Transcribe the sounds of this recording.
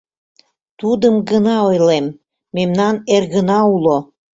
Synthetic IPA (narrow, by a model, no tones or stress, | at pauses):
t̪ud̪əmɡənɑojlemː | emnɑnerɣənɑulo